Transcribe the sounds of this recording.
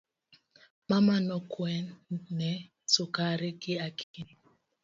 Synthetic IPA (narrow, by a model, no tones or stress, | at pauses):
mamanɔkwɛnɛ | sʊkaɾɪkɪakʰii